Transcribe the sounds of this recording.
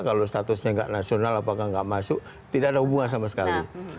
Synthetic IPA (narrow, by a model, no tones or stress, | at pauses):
kalost̪at̪ʊsɲaŋɡa̰ʔnasionalapakaŋɡaʔmasʊk | t̪idakadaɦubuŋans̬amasə̥kali